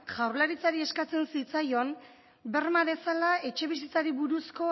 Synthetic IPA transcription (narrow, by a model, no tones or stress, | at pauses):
ʝawɾlaɾit͡saɾie̞skat͡se̞nsit͡sajo̞n | be̞rmaβe̞salae̞t͡ʃe̞β̞is̬it͡saɾiβuɾusko̞